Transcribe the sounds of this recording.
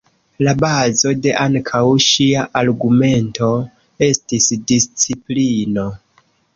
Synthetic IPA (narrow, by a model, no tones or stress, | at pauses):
labazo̞de̞ʔaŋkʰawʃiaʔaɾɡume̞nto̞ | e̞stisdist͡siplino̞